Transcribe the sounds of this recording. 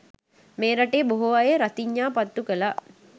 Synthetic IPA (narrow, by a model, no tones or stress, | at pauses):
meːɾaʈeːboɦuʋajeɾat̪iɲːaːpat̪ːukəla